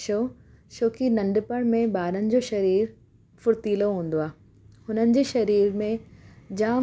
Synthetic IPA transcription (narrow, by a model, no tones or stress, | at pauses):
ʃoː | ʃoːkinɐ̃ɳɖpəɽ̃mẽbaːɾənɪ̆d͡ʑoːʃɐɾiːɾ | fʊɾt̪iːloɦũːn̆d̪oaː | hʊnənɪ̆d͡ʑeːʃɐɾiːɾmẽd͡ʑaː